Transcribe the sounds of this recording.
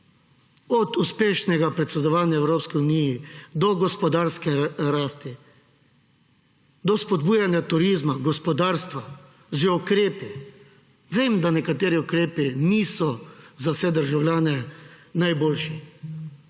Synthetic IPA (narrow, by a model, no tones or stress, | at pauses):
ɔd̪uspeːʃnɛɡapɾɛt̪sɛd̪ɔʋaːnjaɛwɾoːpskiunijid̪ɔɡɔspɔd̪aːɾskɛɾaːst̪i | d̪ɔspɔd̪buːjanjat̪uɾiːzmaɡɔspɔd̪aːɾst̪ʋa | ʒɛukɾeːpi | ʋeːmd̪anɛkat̪eːɾiukɾeːpiniːsɔzawsɛd̪əɾʒawlʲjaːnɛnajboːlʃi